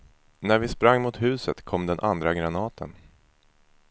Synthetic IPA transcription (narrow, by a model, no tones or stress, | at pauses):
næɾvɪspɾaŋːmʊt̪hʉ̟ːsət̪kʰɔmd̪ɛnʔand̪ɾaɡɾanɑːt̪ʰə̰n